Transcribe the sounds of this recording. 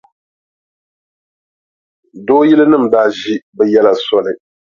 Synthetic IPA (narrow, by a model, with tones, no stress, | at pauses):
doː˦ji˦lɨ˦nɨ˦˨m˨daː˦ʒi˦bɛ˨jɛ˦la˨sɔ˦lɨ˨